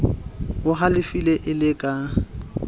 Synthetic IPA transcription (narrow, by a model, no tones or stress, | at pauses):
wʊɦalɪfileʔɪlɪkʼa